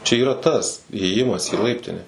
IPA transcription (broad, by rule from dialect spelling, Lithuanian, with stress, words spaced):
t͡ʃʲɛ iːˈrɐ tɐs iːeːˈjɪmɐs iː ˈlˠɐɪpʲtʲɪnʲɛ